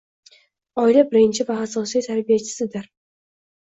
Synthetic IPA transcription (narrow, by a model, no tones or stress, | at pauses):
ɒɪlabɪɾɪnt͡ʃʰɪvaːsɒsijt̪ʰaɾbijat͡ʃʰɪ̥sɪd̪ɪɾ